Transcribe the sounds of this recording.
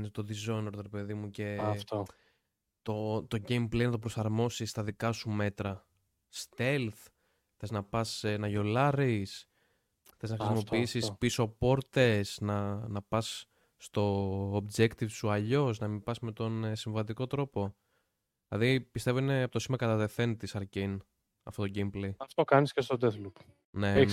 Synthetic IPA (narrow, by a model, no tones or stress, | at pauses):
net̪oðizoneɾot̪oɾepe̞ðimuce̞t̪o | t̪o̞t̪o̞ɟe̞jmplejnɐt̪opɾo̞sɐɾmo̞sist̪ɐðikɐsume̞t̪ɾɐ | st̪elθ | xθe̞znɐpɐsnɐʝo̞lɐɾis | θe̞znɐxɾissimo̞piisisspiso̞po̞ɾt̪esnɐnɐpɐsː | t̪o̞ːbd͡ʒe̞kt̪ivsuɐʎo̞snɐmibɐsme̞t̪o̞nsiɱvɐt̪̬iko̞t̪ɾo̞po̞ | lɐðipist̪evo̞ine̞ɐpot̪osimɐkɐt̪ɐt̪e̞θe̞nt̪isɐɾcin | ɐ̰fto̞t̪oɟimbleɐft̪okɐniscest̪od̪eθlup | ne̞